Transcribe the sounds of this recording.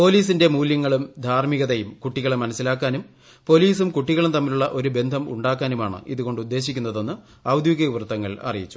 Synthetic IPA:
po̞ːliːsinde̞muːljɐŋːɐɭumd̪ʱaːɾmiɣɐðɐjumkuʈːiɣɐɭemːɐnɐsːilaːkːaːnum | po̞ːliːsumkuʈːiɣɐɭumt̪ɐmːiluɭːɐʔo̞ɾube̞nd̪ʱɐmṵɳɖaːkːaːnumaːɳɨ̰iðuɣo̞ɳɖud̪ːe̞ːɕikʲːunːɐðo̞nːɨ | ɐʋd̪jɡɐuʋrɐt̪ːɐŋːɐɭɐ̰rijit͡ɕːu̥

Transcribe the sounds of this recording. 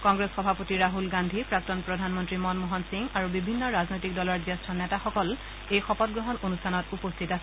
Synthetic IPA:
kɔŋɡɹesxɔbʱapotiɹaɦulɡandʱipɹak̚tɔnpɹɔdʱanmɔntɹimɔnmɔɦɔnsiŋaɹubibʱinːɔɹaznojtik̚dɔlɔɹzɛstʰɔnɛtaxɔkɔl | ejxɔpɔt̚ɡɹɔɦɔnonustʰanɔtupostʰitasɛ

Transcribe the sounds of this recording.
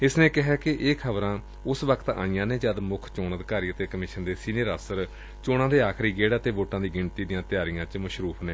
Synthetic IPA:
ɪsneːkɪɦɛːkɪʔeːkʰəbɾãː | ʊsʋəkʰət̪a̰ːɪjãːnẽːd͡ʒaːd̪mʊkʰt͡ʃoːnəd̪kaːɾiːət̪eːkəmɪʃənd̪eːsiːneːɾəsəɾ | t͡ʃoːɽãːd̪eːaːkʰɾiːɡeːɽːət̪eːʋoːʈãːd̪iːɡɪɳt̪iːd̪ɪjãːt̪ɪjaːɾijãːt͡ʃməʃɾuːpʰneː

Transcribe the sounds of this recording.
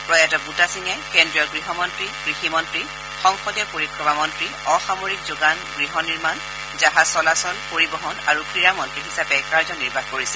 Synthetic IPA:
pɹɔjatɔbutasiŋɛkɛndɹiɔɹɡɹiɦɔmɔntɹiɡ̥ɹiximɔntɹi | xɔŋxɔdjɔpoɹikʰːɹɔbamɔntɹi | ɔxamoɹikzoɡanɡɹiɦɔniɹman | zaɦasɔlasɔnpoɹibɔɦɔnaɹukʰɹiɹamɔntɹiɦisapɛkaɹzɔniɹbʱaxkoɹisɛ̥

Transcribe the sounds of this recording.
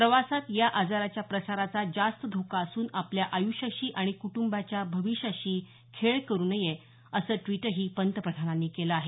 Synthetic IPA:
pɾəʋasat̪jaʔad͡zaɾat͡ɕjapɾəsaɾat͡sad͡zast̪əd̪ʱokaəsuːnapljaʔajuɕaɕiːʔaɽ̃ikuʈumbat͡ɕjabʱəʋiɕjaɕiː | kʰeɭkəɾuːnəje | əsəːʈʋiʈəɦiːpənt̪əpɾəd̪ʱananːiːkeləaɦe

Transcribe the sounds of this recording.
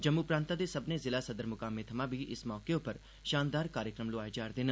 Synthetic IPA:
d͡ʒɐmːupɾãːnt̪ad̪esɐbnezɪlasɐd̪əɾmʊkaːmet̪ʰɐmabʱiʔɪsmɔːkeõpɐɾ | ʃaːnd̪aːɾkaːɾjəkɾəmlʊaːed͡ʒaːɾd̪eːnə

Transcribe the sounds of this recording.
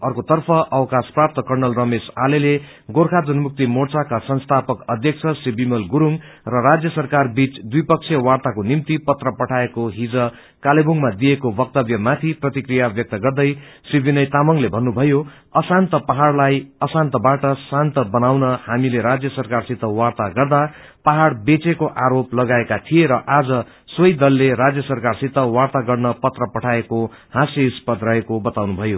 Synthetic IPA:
ʌrkot̪ʌrpʰʌʔʌwkasprap̚t̪ʌkʌrnʌlrʌmesalele | ɡorkʰad͡zʌnmuk̚t̪imort͡sakasʌnst̪ʰapʌkʌd̪ʱjʌk̚sʰʌsibimʌlɡuɾuŋ | rʌrad͡zjʌsʌrkarbit͡sd̪ujpʌk̚t͡sʰjʌwart̪akonimt̪ipʌt̪rʌpʌʈʰaekoɦid͡zʌ | kalebuŋmad̪ijekobʌk̚t̪ʌbjʌmat̪ʰiprʌt̪ikrijabjʌk̚t̪ʌɡʌrd̪ʌj | sibinʌjt̪amʌŋlebʱʌnːubʱʌjo | ʌsant̪ʌpaɦaɽlajʌsant̪ʌbaʈʌsant̪ʌbʌnawnʌhamileɾad͡zjʌsʌrkarsit̪ʌwart̪aɡʌrd̪a | paɦaɽbet͡sekoʔaɾoplʌɡaekat̪ʰijeɾʌʔad͡zʌ | swʌjd̪ʌlːeɾad͡zjʌsʌrkarsit̪ːʌwart̪aɡʌrnʌpʌt̪rʌpʌʈʰaeko | hãseuspʌd̪rʌɦekobʌt̪awnubʱʌjo

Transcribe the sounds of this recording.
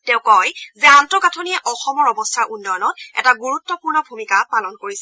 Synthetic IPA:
tɛʊkɔjzɛantɔkatʰɔniɛʔɔxɔmɔɹɔbɔstʰaɹʔunːɔjɔnɔtɛ̰taɡuɹutːɔpuɹnɔbʱumikapalɔnkoɹisɛ

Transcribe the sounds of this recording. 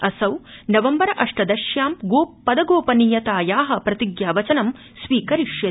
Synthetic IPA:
ɐsɐwnɐʋɐmbɐɾɐʔɐʂʈɐd̪ɐʃjaːmɡoːpːɐd̪ɐɡoːpɐniːjɐt̪aːjaːɦɐ̆pɾɐt̪iɡjaːʋɐt͡ʃɐnɐm | sʋiːkɐɾiʂjɐ

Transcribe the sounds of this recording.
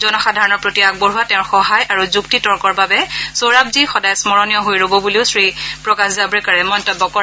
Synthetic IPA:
zɔnɔxadʱaɹɔnɔɹpɹotiaɡ̚bɔɹɦuatɛ̃ʊ̃ɹxɔɦajaɹuzuktitɔɹkɔɹbabɛsoɹab̚zixɔdajsmɔɹɔnijɔɦojɹobɔbuliʊsɹipɹɔkaszabɔɹɛkaɹɛmɔjntɔbːɔkɔ

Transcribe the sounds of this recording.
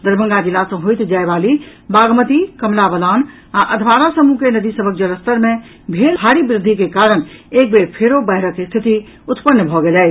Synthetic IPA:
d̪əɾbʱə̃ŋɡad͡ʒilasə̃ɦojt̪d͡ʒaebalibaɡmət̪ikəmlabəlan | aʔəd̪ʱbaɾasəmukenəd̪isəbʱək̚d͡ʒələst̪əɾme | bʱelʱaɽibɾɪd̪ʱːikekaɾənek̚beɾpʰeɾobəɦɾəkːest̪ʰit̪i | ut̪pənːəbʱɔɡelɛ

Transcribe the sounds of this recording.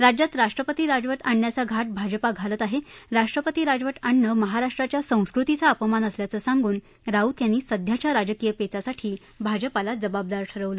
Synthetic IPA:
ɾad͡ʑjat̪ɾaʂʈɾəpət̪iːɾad͡zʋəʈaɳːjat͡saɡʱaʈ̚bʱad͡ʑəpaɡʱalət̪aɦeɾaʂʈɾəpət̪iːɾad͡zʋəʈaɳːəməɦaɾaʂʈɾat͡ɕjasə̃w̃skɾut̪it͡saəpəmanəsljat͡səsaŋɡuːn | ɾaut̪janːiːsəd̪ʱjat͡ɕjaɾad͡ʑəkijəpet͡sasaʈʰiː | bʱad͡ʑəpalad͡zəbab̚d̪aɾʈʰəɾəʋlə

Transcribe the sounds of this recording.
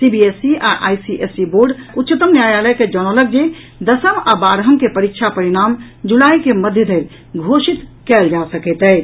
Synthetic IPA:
sibiesia̰ʔa̰jsiʔesiboɾɖut̪ːt͡ʃət̪əmnjajaləjked͡ʒəñələk̚d͡ʒe | d̪əsəmabaɾɦəmkepəɾik̚t͡ʃʰapəɾiɽ̃am | d͡ʒulajkeməd̪ʱjəd̪ʱeɾ | ɡʱosit̪kɛld͡ʒasəkɛt̪ɛj

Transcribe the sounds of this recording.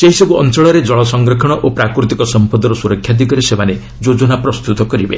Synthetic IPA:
seɦisɔbuɔnt͡ʃɔɭɔɾed͡ʒɔɭɔsɔŋɡɾɔkʰɔɽ̃ɔʔopɾakɾut̪ikɔsɔmpɔd̪ɔɾɔsuɾɔkʰjad̪iɡɔɾesemane | d͡ʒod͡ʒɔnapɾɔst̪ut̪ɔkɔɾibḛ

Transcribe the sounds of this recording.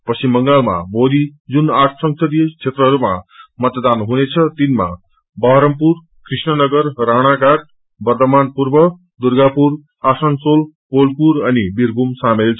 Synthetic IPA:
pʌsimbʌŋɡalma̰bolid͡zunaʈʰsʌŋsʰʌd̪it͡sʰet̪rʌɦʌɾuma̰mʌt̪d̪anɦunet͡sʰʌt̪inma̰ | bʱʌɦɾʌmpur | krisnʌnʌɡʌrraɽ̃akar | bʌrt̪ʌmanpurbʌ | d̪urɡapur | asʌnsol | polpuɾʌnibirbʱumsamelt͡sʰʌ

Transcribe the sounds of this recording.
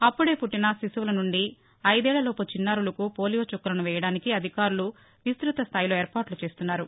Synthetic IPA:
ɐpːuɽe̞ːpuʈːinɐsisuʋulɐnuɳɖi | ɐjd̪ɛːɭːɐloːput͡ʃinːaːɾulɐkupoːlijoːt͡ʃukːɐɾɐnuʋɛːjɐɽaːnikiɐd̪ʱikaːɾulu | ʋist̪ɾut̪ɐst̪ʰaːjlo̞ːeːɾpaːɾʈlut͡ʃe̞ːst̪unːaːɾu

